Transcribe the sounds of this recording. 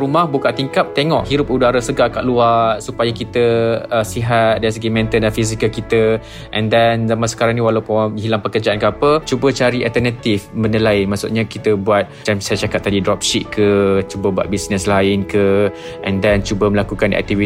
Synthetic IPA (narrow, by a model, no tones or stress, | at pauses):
ɾumahbukaʔt̪iŋkap̚t̪eŋɔʔɦiɾʊp̚udaɾasəɡaʔkaʔ̚luasupajakit̪əəsiɦat̪̚dais̬əɡimɛ̃nt̪ədanfiz̬ikəlkit̪ə | ʔɛ̃ndɛnzamãsə̥kaɾaŋniwalawpʊnɦilaŋpəkərd͡ʒaʔankəapət͡ʃubət͡ʃaɾialt̪ənat̪ifmənəlajmaʔsṵʔ̪̚ɲakit̪əbuat̪̚d͡ʒansajat͡ʃakat̚p̚t̪adidɾɔp̚ʃitkʰət͡ʃubəbua̰t̪̚bisnəslaɪnkə | ʔɛ̃ndɛnt͡ʃubəməlakukanɛ̰k̚t̪ivi